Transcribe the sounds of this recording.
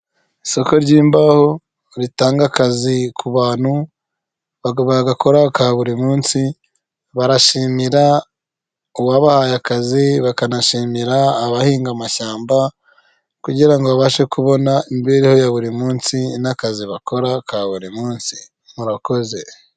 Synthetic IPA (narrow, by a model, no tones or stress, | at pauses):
iso̞ko̞ɾɟiːmbaho̞ | ɾitaːŋɡakazikʰuβaːn̥hu | ββaɡako̞ɾakaβuɾimuːnsi | βaɾaʃiːmiɾa | uwaβahajakaziβakanaʃiːmiɾaːβahiːŋɡamaʃaːmba | kuɟiɾaŋɡoβaβaʃe̞kuβo̞naimbiɾiho̞jaβuɾimuːnsinakaziβako̞ɾakaβuɾimuːnsi̥ | muɾako̞ze̞